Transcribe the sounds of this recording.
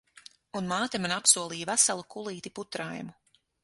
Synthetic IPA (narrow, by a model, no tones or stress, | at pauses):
unmaːt̪ɛmanapsuɔlˠijvæsalˠukulˠiːt̪iput̪ɾajmu